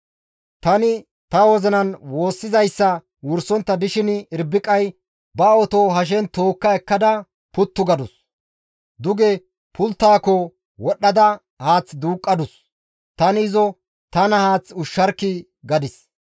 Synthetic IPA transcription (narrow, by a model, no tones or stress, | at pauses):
t̪ɐnɪ | t̪ɐwɔzɛnɐnwo̞ːsːɪzɐjsːɐ | wʊɾsɔnt̪ːɐd̪ɪʃɪnɪɾbɪkʼɐj | bɐɔt̪oɦɐʃ̬ɛnt̪oːkːɐɛkːɐd̪ɐ | pʊt̪ːʊɡɐd̪ʊs | d̪ʊɡɛ | pʰʊlt̪ːaːkɔ | wɔɗːɐd̪ɐ | haːt͡sd̪uːkʼːɐd̪ʊs | t̪ɐnɪzɔ | t̪ɐnɐhaːt͡sʊʃːɐɾkːɪ | ɡɐd̪ɪs